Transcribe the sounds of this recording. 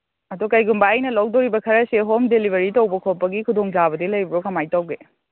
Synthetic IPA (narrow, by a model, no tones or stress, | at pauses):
ɐdukɐjɡumbajnɐlɐwdoɾibɐkʰɐɾɐseɦomdelibʱɐɾitɐwbɐkʰopːɐɡikʰudoŋd͡ʒabɐdilɐjbɾokɐmajtɐwɡe